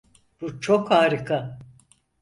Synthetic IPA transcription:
b̥ut͡ʃʰokʰaːɾɯkʰa

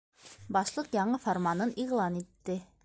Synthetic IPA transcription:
bɑʃlˠɤqjɑɴɤfoɾmanɤniʁlˠɑnit̪ːɘ

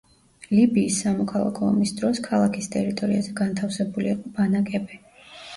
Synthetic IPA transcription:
libiːsːamɔkʰalˠa̰kʰɔmisd̪ɾɔskʰalˠakʰist̪ʼɛɾit̪ʼɔɾiazɛɡant̪ʰafsɛbuliiqʼɔbanakʼɛbɛ

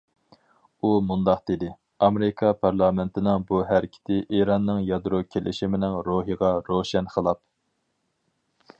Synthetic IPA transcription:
umund̪ɑqd̪̥ed̪ɪ | ɑmeɾɪkʰɑpʰɑɾlˠɑːmɪnt̪ʰɪnɪŋbuɦæɾɪkʲʰɪ̥t̪ʰɪʔeɾɑnːɨŋjɑd̪ɾokʲʰelʔɪ̰ʃimɪnɪŋɾoɦiʁɑɾoʃɛnqʰəlˠɑp̚

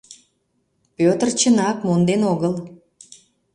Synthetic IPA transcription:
pøt̪ərt͡ɕənɑkmond̪enoɣəl

